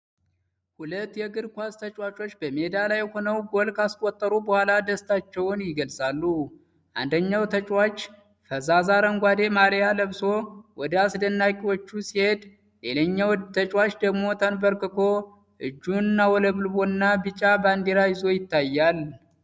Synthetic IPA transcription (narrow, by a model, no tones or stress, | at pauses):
hulət̪ːjɛɡɨɾkʷast̪ʰət͡ʃʼwat͡ʃʼo̞t͡ʃːbəmed̪alajho̞nəwɡolkaskʷʼɔt̪ʼːəɾubəhʷalad̪əst̪ʰat͡ʃːɛwʊnjɪɡəlsʼalːu | ʔa̰nd̪əɲːawt̪ʰət͡ʃʼwat͡ʃː | fəzazaɾəŋɡʷad̪e̞maɾijaləβso̞wɔd̪əasd̪ənːakʼiwo̞t͡ʃːusihe̞d̪ | jeləɲːawt̪ʰət͡ʃʼwat͡ʃːd̪əɡmo̞t̪ʰənbəɾkɨkʰo̞ | ʔɨd͡ʒːuɨnːawɔləβɨlbo̞ɨnːabɨt͡ʃʼaband̪iɾajɪzo̞jɪt̪ːajːal